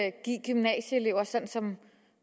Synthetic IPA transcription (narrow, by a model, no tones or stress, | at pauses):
ɡ̥iɡ̥ymnɛ̰ːɕəele̝ʊɐsɒ̽nsɒ̽m